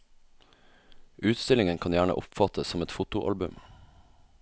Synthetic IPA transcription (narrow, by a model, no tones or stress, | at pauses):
ʔʉːt̪st̪ɪlɪŋənkʰɑːnjæːɳə̰ʔʊpfɑt̪ʰəssɔmɛt̪fʊt̪ʊʔɑ̰lbʉm